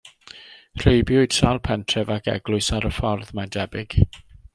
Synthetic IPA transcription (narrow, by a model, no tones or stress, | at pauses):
r̥ejbjʊɨd̥ʃalˠpʰɛntʰrɛvakɛ̰ɡlʊɨsaɾəfɔrðmadɛbɪɡ̥